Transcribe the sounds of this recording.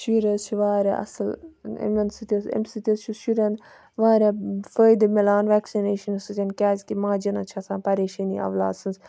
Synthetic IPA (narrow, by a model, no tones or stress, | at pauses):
ʃuɾʲɐzt͡ʃʰuʋaːɾʲa̰ʔɐ̰sɐlḛmʲɐnsɨt̪ʲɐsḛmʲsɨt̪ʲɐst͡ʃʰusʃuɾʲɐn | ʋaːɾʲafəːjd̪ɨmelaːnʋɛːksineːʃɐnsɨt̪ʲɐnkʲaːzʲkimãːd͡ʒɐnɐt͡ʃʰɐsãːpɐɾeːʃɐnḭɐ̰ʋlaːd̪sɨnz